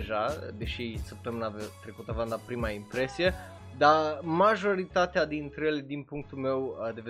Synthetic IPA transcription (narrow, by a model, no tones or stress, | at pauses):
ʒad̪e̞ʃisəp̚t̪əmɨnavt̪ɾe̞kut̪əavamd̪apɾimaimpɾe̞sije̞ | d̪amaʒo̞ɾit̪at̪ead̪int̪ɾejeled̪inpuŋk̚t̪ulme̞wd̪e̞ve